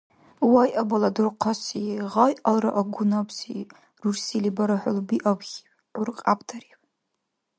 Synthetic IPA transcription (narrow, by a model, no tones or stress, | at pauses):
wajʔabaladɨrqʰasiʁajʔalra̰ʔaɡʷʊnapʰsi | rursilibaɾaħʷʊlbiʔabɣʲi | urqʼapʰʼtʰaɾipʼ